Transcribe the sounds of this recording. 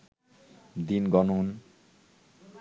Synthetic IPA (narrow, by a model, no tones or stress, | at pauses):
d̪inɡɔnun